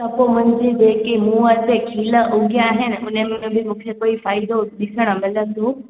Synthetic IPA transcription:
t̪ɐpomʊ̃ɦɪ̃ɲd͡ʑed͡ʑeːkimũːət̪ekʰiːləʔʊɡijaːɦɪnɪ̆ʔʊnəmẽbɪmũːkʰekoːifaːɪd̪oɗɪsʰəɽ̃ə̆mɪlə̃nt̪ʰoː

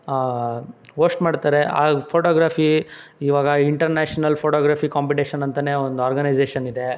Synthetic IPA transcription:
a | ɦoːsʈmaːɖt̪aːɾea̰pʰoːʈoːɡɾaːpʰiiːʋaːɡɐiɳʈɐɾneːʂɐnɐlpʰoːʈoːɡɾaːpʰikaːmpiʈeːʃɐnɐnt̪ɐneːond̪uaːɾɡɐnɐjd͡ʒeːʃɐnid̪e

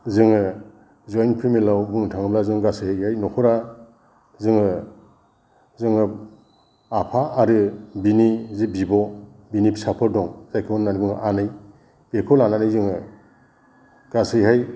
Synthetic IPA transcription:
zɯŋɯ | zɔjnpʰimilawbɯŋtʰaŋɯblazɯŋɡasɯhajhajnɔkʰɔɾa | zɯŋɯ | zɯŋɯ | apʰaːɾɯbinizibibɔbinipi̥sapʰɯɾdɔŋz̥ajkʰɯbɔnnanibɯŋʔanɯj | b̥ekʰɔlananɯjzɯŋɯ | ɡ̥asɯjɦaj

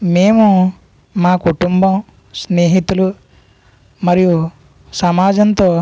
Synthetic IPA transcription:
meːmu | maːkuʈumbɐm | sneːɦit̪ulu | mɐɾiju | sɐmaːd͡ʒɐnt̪o̞ː

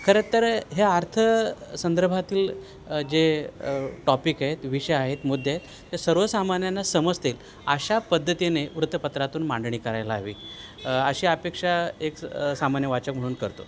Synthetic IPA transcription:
kʰəɾet̪əɾɦeaɾt̪ʰəsənd̪əɾbʱat̪iːl | d͡ʑe | ʈɔpikaɦet̪ʋiɕəaɦet̪mud̪ʱːjeaɦet̪ːesəɾʋəsamanjanːasəməd͡zt̪iːl | əɕapəd̪ʱːət̪ineʋɾut̪əpət̪ɾat̪uːnmãɳɖɳiːkəɾajlaːʋḭː | əɕiːapekʂaeksamanjəʋat͡ɕək̚m̤əɽuːnkəɾt̪o̰

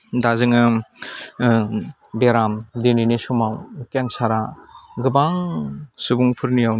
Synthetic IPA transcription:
dazɯŋɯ | beɾamdeninisumawkeŋsaɾaɡɯbaŋsubuŋpʰɯɾnijaw

